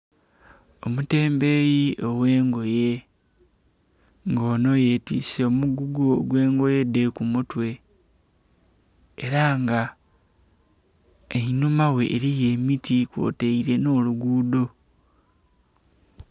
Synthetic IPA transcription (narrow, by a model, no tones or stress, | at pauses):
o̞mute̞ːmbe̞jiʔo̞we̞ːŋɡo̞je | ŋɡoːno̞jetḭːseomuɡuɡuo̰ɡwe̞ːŋɡo̞je̞dekumutwe̞ | ɾaŋɡa | einumawe̞ʔːɾije̞ːmitikwo̞̰ːteiɾe̞no̞ːluɡuːdo̞